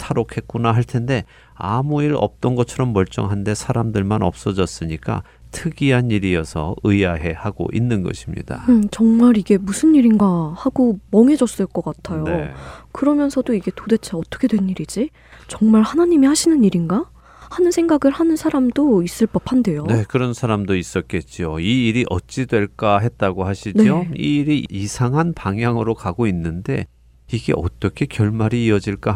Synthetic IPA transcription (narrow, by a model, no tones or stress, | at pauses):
tʰaɾokʰe̞k̚k͈unaɦaɭtʰe̞nde̞ | amuiɾʌ̰p̚t͈ʌnɡʌt͡ɕʰʌɾʌmːʌɭt͡ɕ͈ʌ̰ŋɦande̞sʰaɾamdɯɭmanʌ̰p̚s͈ʌd͡ʑʌs͈ɯɲik͈a̰ | tʰɯɡiɦaniɾiʌsʰʌ̰ɯaɦe̞haɡo̰ʔinːɯnɡʌ̰ɕʰimɲḭd̥a̰ɯt͡ɕʌŋmaɾiɡe̞musʰɯnːiɾinɡahaɡomʌŋɦe̞d͡ʑʌs͈ɯɭk͈ʌk͈atʰajokɯɾʌmjʌnsʰʌdoiɡe̞tode̞t͡ɕʰaʌt͈ʌ̥kʰe̞dwe̞niɾid͡ʑi | t͡ɕʌŋmaɭhanaɲimihaɕʰinɯniɾinɡa | hanɯnsʰe̞ŋɡaɡɯɭhanɯnsʰaɾamdois͈ɯɭp͈ʌpʰande̞jone̞kɯɾʌnsʰaɾamdois͈ʌt̚k͈e̞t̚t͡ɕ͈ioiːɾiʔʌ̰t̚t͡ɕ͈idwe̞ɭk͈aɦe̞t̚t͈aɡohaɕʰineioiːɾiisʰaŋɦanpaŋɦjaŋɯɾokaɡoinːɯnde̞ | iɡe̞̰ʔʌ̰t͈ʌkʰe̞kjʌɭmaɾiːʌd͡ʑiɭk͈a